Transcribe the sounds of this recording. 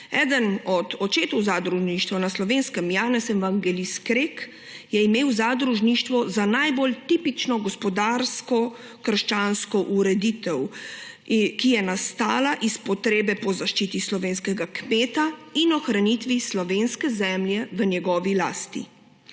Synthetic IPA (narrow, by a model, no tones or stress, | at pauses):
ɛːd̪ənɔd̪ɔt͡ʃeːt̪ɔwzad̪ɾuʒniʃt̪ʋanaslɔʋeːnskɛmjaːnɛsɛmvaŋɡɛliskɾek | jɛimeːwzad̪ɾuʒniʃt̪ʋɔzanajbolt̪iːpit͡ʃnɔɡɔspɔd̪aːɾskɔ | kəɾʃt͡ʃaːnskɔʔuɾɛd̪it̪ɛw | kijɛnast̪aːlaʔispɔt̪ɾeːbɛpɔzaʃt͡ʃit̪islɔʋeːnskɛɡakmeːt̪ainɔxɾanit̪ʋislɔʋeːnskɛzɛːmljɛʋənjɛɡɔːʋila̰ːst̪ḭ